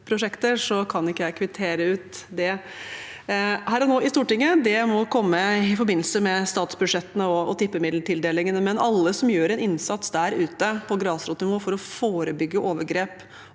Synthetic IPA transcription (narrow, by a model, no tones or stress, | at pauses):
pʰɾʊʂɛkt̪əʂɔkʰɑnɪkːəjæɪkʰʋɪt̪ʰeːɾəʉːt̪d̪ɛ | hæːɾɔnoːɪst̪uːʈɪŋːəd̪ɛmɔkʰɔmːəɪfɔɾbɪnːl̩səmɛst̪ɑːt̪sbʉd̪ʂɛt̪ːənəɔɔt̪ɪpːəmɪd̪ləʈʰɪld̪eːlɪŋənəmɛnɑlːəsɔmjøːɾɛnɪnsɑt̪sd̪æɾʉːt̪əpʰɔɡɾɑːsɾɔt̪nɪʋoːfɔɾɔfoːɾəbʏɡːəʔoːʋəɾɡɾeːp